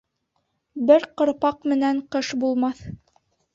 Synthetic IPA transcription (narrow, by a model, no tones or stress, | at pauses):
bɘɾqɤ̆ɾpɑqmɘ̆næɴqɤʃbulˠmɑθ